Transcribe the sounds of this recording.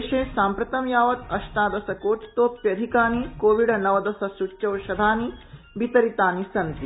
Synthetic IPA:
ʃeːsaːmpɾɐt̪ɐmjaːʋɐt̪ɐʃʈ̪aːd̪ɐsɐkoːt͡ʃt̪oːpjɐd̪ʱikaːnikoːʋiɖɐnɐʋɐd̪ɐsɐsuʃɐwʃɐd̪ʱaːni | bit̪ɐɾit̪aːnisɐnt̪i

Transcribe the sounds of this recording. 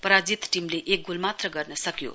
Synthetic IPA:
pʌɾad͡zit̪ʈimleʔek̚ɡulmat̪rʌɡʌrnʌsʌkjo̰

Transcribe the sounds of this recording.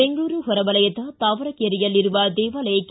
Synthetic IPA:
ɛŋɡuːɾɯɦɔɾɐʋɐlɐjɐt̪ːaːt̪aːʋɐɾɐkeɾɪjɐlɪɾɯʋaːd̪eːʋaːlɐjɐkː

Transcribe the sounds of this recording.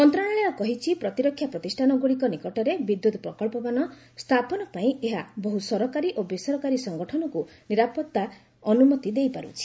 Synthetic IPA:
ɔnt̪ɾaɭ̃aɭeɔkɔɦit͡ʃʰipɾɔt̪iɾɔkʰːjapɾɔt̪isʈʰanɔɡuɽikɔnikɔʈɔɾebid̪jut̪ɔpɾɔkɔɭpɔbanɔ | st̪ʰapɔnɔpaĩeɦabɔɦusɔɾɔkaɾiʔobesɔɾɔkaɾisɔŋɡɔʈʰɔnɔku | niɾapɔt̪ːa | ɔnumɔt̪id̪ejpaɾṵt͡ʃʰi̥

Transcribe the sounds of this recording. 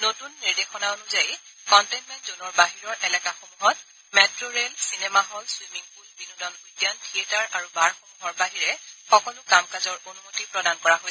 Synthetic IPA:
notunːiɹdexɔnaonuzajkɔntejnmɛntzonɔɹbaɦiɹɔɹʔɛlɛkaxomuɦɔt̚ | mɛtɹoɹelsinɛmaɦɔlswimiŋpulbinudɔnojdjantʰietaɹaɹubaɹxomuɦɔɹbaɦiɹɛxɔkɔlʊkamkazɔɹonumotipɹɔdankɔɹaɦojɛ

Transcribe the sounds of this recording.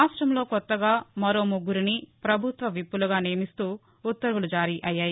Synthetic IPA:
aːsʈɾɐmlo̞ːkɔt̪ːɐɡaːmɐɾo̞ːmuɡːuɾinipɾɐbʱut̪ʋɐʋipːuluɡaːneːɐmist̪uː | ut̪ːɐɾʋulud͡ʒaːɾiʔɐjːaːji

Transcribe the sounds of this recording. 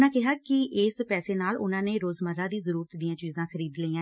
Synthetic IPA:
nãːkɪɦaːkɪʔɪːspɛːseːnaːlʊnãːneːɾoːzməɾaːd̪iːzəɾuːɾət̪d̪ijãːt͡ʃiːzãːkʰəɾiːd̪liːãː

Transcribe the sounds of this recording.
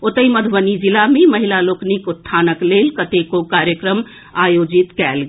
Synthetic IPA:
ot̪əiməd̪ʱbənid͡ʒilameməɦilaloknikut̪ʰːanəklelkət̪ekokaɾjəkɾəm | ajod͡ʒit̪kɛlɡ

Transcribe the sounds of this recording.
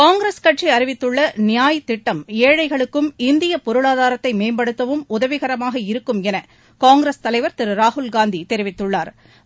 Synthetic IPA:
kaːŋɡɾeːskɐʈriɐɾɪʋɪt̪ːɯɭːɐnɪjaːjt̪ːɪʈːɐmeːɻɐɪɣɐɭɯkːɯmɪnd̪ɪjɐpɔɾɯɭaːðaːɾɐt̪ːɐɪmeːmbɐɽɯt̪ːɐʋɯmʊðɐʋɪɣɐɾɐmaːɣɐɪɾɯkːɯmɛnɐ | kaːŋɡɾest̪ɐlɐɪʋɐɾt̪ɪɾɯɾaːɦʊlɡaːnd̪it̪ɛɾɪʋɪt̪ːɯɭːaːɾ

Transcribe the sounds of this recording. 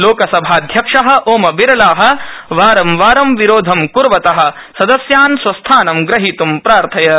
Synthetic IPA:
loːkɐsɐbʱaːd̪ʱjɐkʂɐɦɐ̆ʔoːmɐbiɾɐlaːɦɐ̆ʋaːɾɐmʋaːɾɐmʋiɾoːd̪ʱɐmkuɾʋɐt̪ɐɦɐ̆ | sɐd̪ɐsjaːnsʋɐst̪ʰaːnɐmɡɾɐɦit̪umpɾaːɾt̪ʰɐjɐ

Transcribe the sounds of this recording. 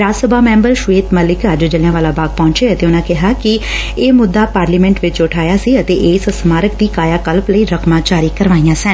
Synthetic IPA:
ɾaːsəbaːmɛ̃ːmbəɾʃʊʋeːt̪məlɪkəd͡ʒd͡ʒəljãːʋaːlaːbaːɡ̚pɔ̃ːɲt͡ʃeːət̪eːʊnãːkɪɦaːkɪ | eːmʊd̪ːaːpaːɾliːmɛ̃ːɳʈʋɪt͡ʃʊʈʰaːjaːsiːət̪eːʔeːsəsmaːɾək̚d̪iːkaːjaːkəlpləiːɾəkʰmaːt͡ʃaːɾiːkəɾʋaːijãːsən

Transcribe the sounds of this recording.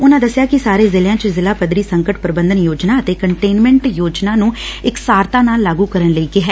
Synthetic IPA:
ʊnãːd̪əsːjaːkɪsaːɾeːzɪljãːt͡ʃəzɪlaːpəd̪ɾiːsəŋkəʈpɾəbənd̪ənjoːd͡ʒnaːət̪eːkəɳʈeːnmɛ̃ɳʈjoːd͡ʒnaːnũːɪksaːɾt̪aːnaːlːaːɡuːkəɾənləiːkeɦɛː

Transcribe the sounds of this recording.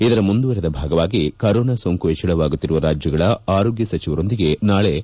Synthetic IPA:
id̪ɐɾɐmund̪uʋɐɾed̪ɐbʱaːɡɐʋaːɡikɐɾoːnasoːŋkuɦet͡ʃːɐɭɐʋaːɡut̪ːiɾuʋɐɾaːd͡ʒjɐɡɐɭɐaːɾoːɡjɐsɐt͡ʃiʋɐɾo̞nd̪iɡe̞naːɭe̞

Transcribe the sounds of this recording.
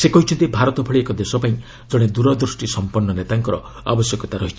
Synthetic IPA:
sekɔɦit͡ʃʰɔnt̪ibʱaɾɔt̪ɔbʱɔɭiekɔd̪esɔpaĩ | d͡ʒɔɽ̃ed̪uɾɔd̪ɾusʈisɔmpɔnːɔnet̪aŋkɔɾɔ | a̰bɔsjɔkɔt̪aɾɔɦit͡ʃʰi̥

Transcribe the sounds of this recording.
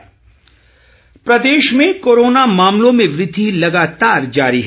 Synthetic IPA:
pɾɐd̪eːʃmẽkoːɾoːnamaːmlõmẽʋɾɪd̪ʱilɐɡaːt̪aːɾd͡ʒaːɾiɦɛ

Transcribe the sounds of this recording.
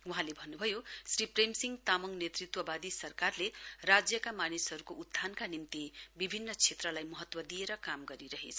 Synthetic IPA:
uɦãlebʱʌnːubʱʌjosripremsiŋɡt̪amʌŋnet̪rit̪wʌbad̪isʌrkarlerad͡zjʌkamanisɦʌɾukoud̪ʱankanimt̪ibibʱinːʌt͡sʰet̪rʌlajmʌɦʌt̪wʌd̪ijeɾʌkamɡʌɾiɾʌɦḛt͡sʰʌ

